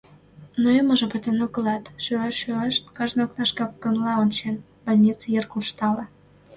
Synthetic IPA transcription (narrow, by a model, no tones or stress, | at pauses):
noeməʒɤpət̪enoɣə̆lɑt̪ʃøleʃʃøleʃt̪̚kɑʒnoknɑʃkɑkːənlɑonʲt͡ɕen | b̥alʲnʲit͡səjerkuʃt̪ɑlɑ